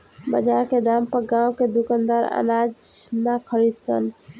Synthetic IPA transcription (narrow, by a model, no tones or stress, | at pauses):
bə̰d͡ʒaɾked̪ampəɾɡãwked̪ukənd̪əɾə̰nad͡ʒnakʰəɾid̪̚sə̰n